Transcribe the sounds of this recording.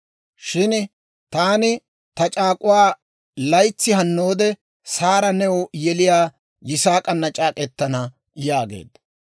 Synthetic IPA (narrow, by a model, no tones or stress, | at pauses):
ʃɪn | t̪aːnɪ | t̪ɐt͡ʃʼaːkʼʊwaː | lɐjt͡sːɪhɐnːo̞ːd̪ɛ | saːɾɐnɛwjɛlɪjaː | jɪsaːkʼɐnːɐt͡ʃʼaːkʼɛt̪ːɐnɐ | jaːɡḛːd̪ɐ